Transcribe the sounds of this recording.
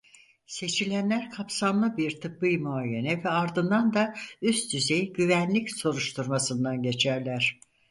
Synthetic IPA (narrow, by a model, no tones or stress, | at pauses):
se̞t͡ʃʰilʲænlʲæɾkʰapsamlˠɯbiɾt̪ʰɯpːɯjmoajenɛvɛaɾd̪ɯnd̪and̪ayst̪yzejɟyvænlʲicso̞ɾuʃt̪ʰuɾmasɯnd̪anɟe̞t͡ʃʰæɾlʲæɾ̥